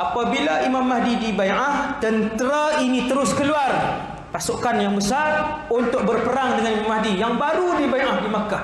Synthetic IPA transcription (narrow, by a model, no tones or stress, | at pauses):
ʔapabilaʔimamːaɦdidibaʔaht̪ənt̪əɾainĩt̪əɾʊskəluar | pasukanjaŋbəsat | unt̪ʊk̚bərpəɾaŋdəŋanimamːaɦdijaŋbaɾudibajʔahdimaka